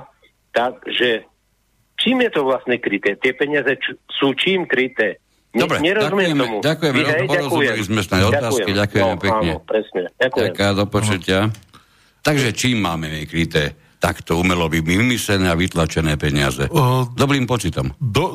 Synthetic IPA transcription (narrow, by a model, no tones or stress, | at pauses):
t̪aɡʒɛ | t͡ʃiːmjɛt̪ɔʋlasnɛkɾit̪ɛːt̪ɪɛpɛɲɪazɛt͡ʃsuːt͡ʃiːmkɾit̪ɛː | dɔbɾɛɲɛɾɔazumɛɛɛmɛmɟakujɛmɛɾpɔaɾɔzuɛlizmɛsnaɔat̪aːskiɟakujɛmɛpɛkːɲɛpɾɛsɲɛakɛɛmkaːd̪ɔpɔt͡ʃucɪa | t̪aɡʒɛt͡ʃiːmːaːmɛmikɾit̪ɛː | t̪akt̪ɔumɛlɔʋimimisɛnɛːaʋit̪lat͡ʃɛnɛːpɛɲɪa̰zɛd̪ɔbɾiːmpɔt͡ʃit̪ɔmd̪ɔ